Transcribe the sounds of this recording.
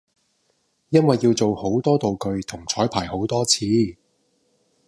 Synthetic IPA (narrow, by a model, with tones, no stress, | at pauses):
jɐ˥nwɐ˨jːiː˧wt͡so˨who˨˥wt̪ɔː˥t̪o˨wkɵ˧ɥt̪ʰʊ˨˩ŋt͡sʰɔː˨˥jpʰaː˨˩jho˨˥wt̪ɔː˥t͡sʰiː˨˧